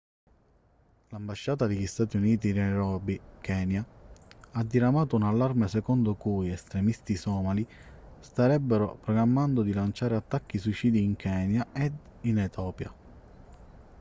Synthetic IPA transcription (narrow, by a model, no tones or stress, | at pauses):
lambaʃːaːt̪ad̪iʎist̪aːt̪iuniːt̪inɛɾɔːbikɛːnja | ad̪ːiɾamaːt̪ʊunalːarmesɛkɔnd̪ʊkujɛst̪ɾemist̪isɔːmalist̪aɾɛbːeɾopɾɔɡɾamːand̪ʊd̪ilant͡ʃaːɾeat̪ːak̟ːiswit͡ʃiːd̪iːŋkʰɛːnjaʔɛd̪inɛt̪ʰɔːpja̰